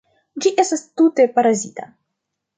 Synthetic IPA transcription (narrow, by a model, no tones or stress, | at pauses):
d͡ʒiʔe̞stast̪ute̞paɾazita̰